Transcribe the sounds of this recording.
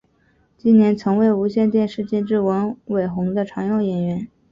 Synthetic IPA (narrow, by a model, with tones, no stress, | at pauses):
t͡ɕi˥nnjɛ˧˥nt͡sʰɤ˧˥ŋwe˧˥˩ɪu˧˥ɕjɛ˥˧nt̪̬jɛ˥˧nʂɻ̩˥˧t͡ɕjɛ˥˧nʈ͡ʂɻ̩˥˩wə˧˥nwe˨˩ɪxʊ˧˥ŋd̪ə˧ʈ͡ʂʰɑ˧˥ŋjɑ˥˩ʊjɛ˨˩nɥɛ˧˥n